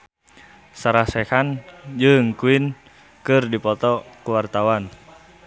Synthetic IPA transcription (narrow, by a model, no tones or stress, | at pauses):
saɾasɛkand͡ʒɨŋkuin | kɨrdipɔt̪ɔkuwart̪awan